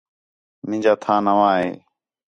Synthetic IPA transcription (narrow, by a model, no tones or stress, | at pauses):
mɪ̃d͡ʒaːt̪ʰãːnəʋãːɦḛː